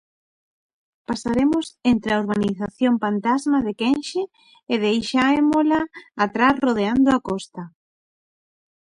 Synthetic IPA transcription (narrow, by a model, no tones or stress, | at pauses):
pasaɾemʊsent̪ɾeaoɾβaniθaθjompant̪azmaðekenʃeː | ðejʃaemolaːt̪ɾasroð̞eand̪ʊakɔst̪a